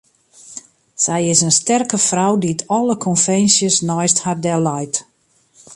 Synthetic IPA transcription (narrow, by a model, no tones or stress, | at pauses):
sɛjɪsənstɛrkəfrawditʰɔləkʰɔnfɛnsjəsnɔjsthadɛlɔjt